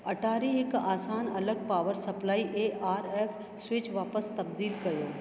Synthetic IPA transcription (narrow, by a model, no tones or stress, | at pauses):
ɐʈʰaːɾiɦɪkaːsaːnɐləɡ̚paːʋəɾsɐplaːiʔeːʔaːɾeːfʰ | swɪt͡ʃʋaːpəst̪ɐb̚d̪iːlkɐjoː